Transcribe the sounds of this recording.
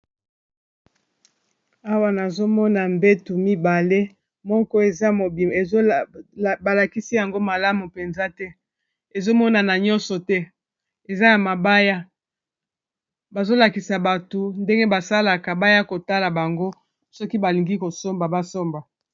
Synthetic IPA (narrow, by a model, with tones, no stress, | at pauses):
a˦wa˦na˨zo˦mɔ˦na˨mbe˦tu˨mi˦ba˨le˦ | mɔ˦kɔ˦e˨za˦mo˨bi˨me˨z | ba˨la˨ki˦si˦ja˨ŋɡo˦ma˨la˦mu˨pe˨nza˦tɛ˦ | e˨zo˦mɔ˦na˨na˨ɲɔ˦nsɔ˨tɛ˦ | e˨za˦ja˨ma˨ba˦ja˦ | ba˨zo˦la˨ki˨sa˨ba˨to˨nde˦ŋɡe˦ba˨sa˦la˨ka˨ba˦ja˦ko˨ta˦la˨ba˨ŋɡo˦ | sɔ˦ki˦ba˨li˨ŋɡi˦ko˨so˦mba˨ba˦so˦mba˨